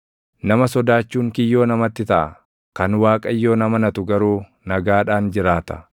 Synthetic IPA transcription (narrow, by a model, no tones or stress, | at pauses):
nɐmɐsɔd̪aːt͡ʃːuːŋkɪjːo̞ːnɐmɐt̪ːɪt̪ɐʔɐ̰ | kɐnwaːkʼɐjːo̞ːnɐmɐnɐt̪ʊɡɐɾuː | nɐɡaːᶑaːnd͡ʒɪɾaːt̪ɐ̥